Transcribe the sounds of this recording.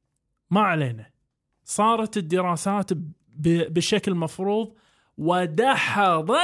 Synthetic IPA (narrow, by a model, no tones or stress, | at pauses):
maʕaleːna | sˤɑːɾˤɑt̪ɪd̪ːɪɾɑːsaːt̪ | bbɪʃːaklmɑfɾuːðˤ | wɪd̪aħaðˤɑ